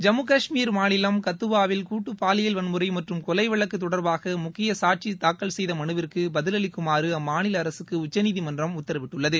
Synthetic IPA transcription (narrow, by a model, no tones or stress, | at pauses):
d͡ʒɐmɯkɐʂmiːɾmaːnɪlɐmkɐt̪ːɯʋaːʋɪlkuːʈːɯpːaːlɪjɐlʋɐnmɯɾɐɪmɐʈrɯmkɔlɐɪʋɐɭɐkːɯt̪ːɔɽɐɾbaːɣɐmʊkːɪjɐsaːʈ̚t͡ʃit̪aːkːɐɭsɛjðɐmɐɳɯʋɪɾkɯbɐðɪlɐlɪkːɯmaːɾɯɐmːaːnɪlɐːɾɐsɯkːɯʊt͡ʃːɐniːðimɐndrɐmʊt̪ːɐɾɐʋɪʈːɯɭːɐðɯ